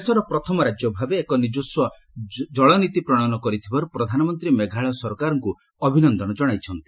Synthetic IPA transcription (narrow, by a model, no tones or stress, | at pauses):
esɔɾɔpɾɔt̪ʰɔmɔɾad͡ʒjɔbʱabeːkɔnid͡ʒuswɔ | d͡ʒɔɭɔnit̪ipɾɔɽ̃anɔkɔɾit̪ʰibaɾupɾɔd̪ʱanɔmɔnt̪ɾimeɡʱaɭɔsɔɾkaɾɔŋku | ɔbʱinɔnd̪ɔñɔd͡ʒɔɽ̃ajt͡ʃʰɔnt̪i̥